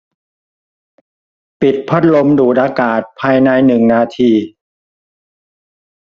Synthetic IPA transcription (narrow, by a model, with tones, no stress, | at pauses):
pi˨˩t̪̚pʰa˥˩t̪̚lo˧mduː˨˩t̪̚ʔaː˧kaː˨˩t̪̚pʰaː˧jna˧jnɯ˨˩ŋnaː˧t̪ʰiː˧